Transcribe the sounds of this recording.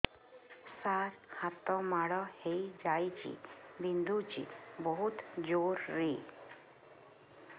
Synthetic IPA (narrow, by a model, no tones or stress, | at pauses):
saɾhat̪ɔmaɽɔhejd͡ʑajt͡ɕḭbind̪ut͡ɕḭbəɦut̪d͡ʑoɾːe